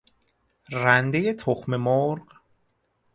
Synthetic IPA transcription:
rænd̪eje̞t̪ʰoxme̞moɾɢ

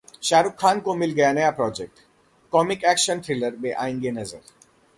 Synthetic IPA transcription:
ʃaːɾʊkʰːaːnkomɪlɡɐjanɐjapɾɔːd͡ʒek̚ʈ | kɔːmɪkɛːkʃənʈ̪ʰɾɪləɾbeʔa̰ːĩŋɡenɐzəɾ

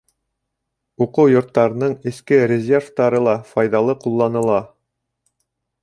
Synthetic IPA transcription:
uqɤwjŏɾt̪ːɑɾɤ̆nɤɴɘ̆skɘɾʲɪzʲerft̪ɑɾɤlˠɑfɑjðɑlˠɤqulˠːɑnɤ̆lˠɑ

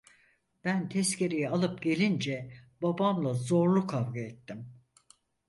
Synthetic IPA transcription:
b̥ænt̪ʰɛscʰe̞ɾejɛalˠɯp̚ɟe̞lʲind͡ʒɛbabamlˠazo̞ɾlˠukʰavɡaɛt̪ʰːim

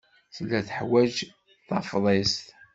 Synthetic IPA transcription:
θlːæθəħwæd͡ʒ | θɑfðˤest̪

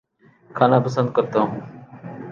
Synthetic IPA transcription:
kʰaːnãːpəsə̃nd̪̚kəɾt̪õː

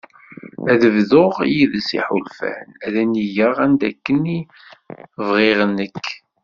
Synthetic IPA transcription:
æðəvðoʁijiðsḭħʊlfæ̰næðæniʝəʁænd̪ækːəni | vʁeʁnːəkː

